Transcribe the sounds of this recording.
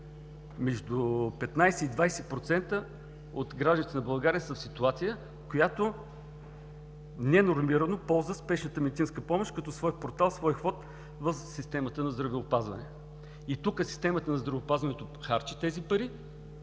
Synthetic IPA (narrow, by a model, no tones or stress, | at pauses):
mɛʒd̪upɛt̪najsɛid̪vajsɛpɾot̪sɛnt̪ə | ot̪ɡɾaʒd̪ənit̪ɛnɐbɐlˠɡaɾiəsəfsit̪uat̪sijə | kojat̪o | nɛnoɾmiɾɐnopɔlˠzəspɛʃnət̪əmɛd̪it̪sinskəpɔmoʃkɐt̪ɔsvɔjpoɾt̪alˠsvɔjxvɔt̪ | vəfsist̪ɛmət̪ənɐzd̪ɾɐvɛopazvɐ̰nɛ | it̪ukəsi̥st̪ɛmət̪ənɐzd̪ɾɐvɛopazvɐnɛt̪oxaɾt͡ʃə̥t̪ɛzipɐɾi